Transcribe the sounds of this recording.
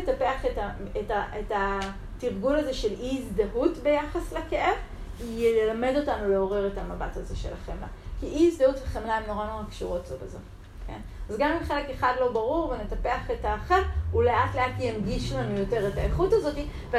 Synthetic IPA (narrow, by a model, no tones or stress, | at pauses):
etape̞aχetaetaʔeta | tiʁɡulaze̞ʃe̞liːzdaɦutbe̞jaχasleke̞ʔe̞v | ijeelame̞do̞tanule̞o̞ʁe̞ʁe̞tamabathaze̞ʃe̞laχemla̰kiʔiizd̪ahutveχemlaemno̞ʁano̞ʁakʃuʁo̞tzobezo | ke̞̰n | azɡamimχe̞le̞ke̞χadlo̞baʁuʁvenetape̞aχetaχevule̞ʔatle̞atjamɡiʃlanujo̞te̞ʁetaeχutazo̞ti | ve